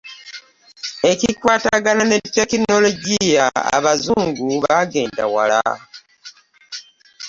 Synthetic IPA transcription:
e̞cikwaːtaɡananetːekino̞lo̞ɟijaa̰βazuːŋɡuβaɡe̞ːndawala̰

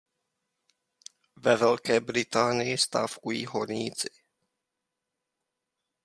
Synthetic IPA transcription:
vɛvɛlkɛːbɾɪt̪aːnɪjɪst̪aːfkujḭːɦoɾɲiːt͡sɪ̥

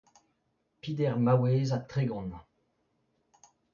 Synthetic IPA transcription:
pid̪ɛʁmaweːzat̪ʁeɡɔ̃n

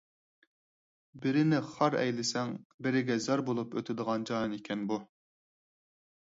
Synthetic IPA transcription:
bɪɾɪnɪχɑɾɛ̰jlɪsɛŋbɪɾɪɡʲɛzɑɾbolˠupøt̪ʰɪd̪əʁɑnd͡ʒɑnikʲʰɛnbu

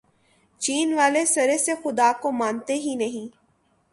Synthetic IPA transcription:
t͡ʃiːnʋaːlesɐɾesexʊd̪aːkomãːnt̪eɦinɐɦĩː

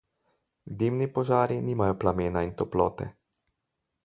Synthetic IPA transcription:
d̪imnipɔʒaːɾiniːmajɔplameːnaint̪ɔplɔːt̪ɛ̰

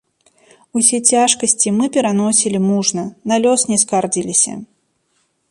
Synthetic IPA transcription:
usʲɛt͡sʲaʂkɐsʲt͡sʲimɨpʲɛɾanɔsʲilʲimuʐnɐnalʲɔsnʲɛskard͡zʲilʲisʲɐ̰

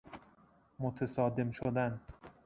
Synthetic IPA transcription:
mot̪ʰesɒːd̪emʃod̪æn

